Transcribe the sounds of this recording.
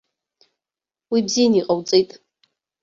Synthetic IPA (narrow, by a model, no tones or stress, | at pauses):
wibzijaniqʼawt͡sʼejtʼ